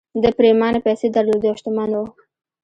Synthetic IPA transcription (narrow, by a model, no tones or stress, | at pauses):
d̪əpɾemɑnepajsed̪aɾlod̪joʃt̪ʊmanwo